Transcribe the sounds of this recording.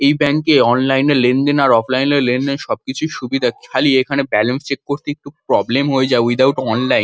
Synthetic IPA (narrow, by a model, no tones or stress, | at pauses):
ejbɛnkeɔnlajneɾlend̪enaɾɔflajneɾlend̪enʃɔb̚kit͡ɕʰuʃubid̪ʱakʰalieekʰanebɛlenst͡ɕekkoɾt̪eek̚ʈupɾɔblemɦoed͡ʑaewid̪awʈɔnlajn